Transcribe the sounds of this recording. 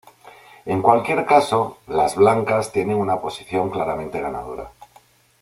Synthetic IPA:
e̞ŋkwalkje̞ɾkaso̞lazβlaŋkast̪je̞ne̞ŋunapo̞si̥θjo̞ŋklaɾamẽ̞nt̪e̞ɣana̰ð̞oɾa̰

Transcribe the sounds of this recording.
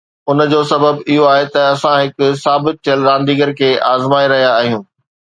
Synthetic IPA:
ʊn̆d͡ʑoːsɐbəbɪɦoaːɦet̪ɐɐsãɦɪkʊ̆saːbɪt̪̚t̪ʰəlɾãːn̆d̪iːɡəɾkʰeːʔaːzmaːiɾɐɦijaːɦijũː

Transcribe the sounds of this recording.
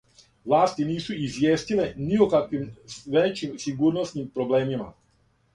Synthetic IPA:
ʋlˠaːst̪iniːsuizʋjeːst̪ileniokakʋimʋet͡ʃimsiɡuːɾnosnimpɾobleːmima̰

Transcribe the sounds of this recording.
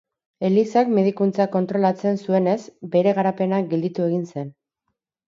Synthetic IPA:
e̞lisakme̞ðikunt͡sako̞nt̪ɾo̞lat͡se̞nsue̞ne̞sbe̞ɾe̞ɣaɾape̞naɡe̞ld̪it̪ue̞ɣ̞inse̞n

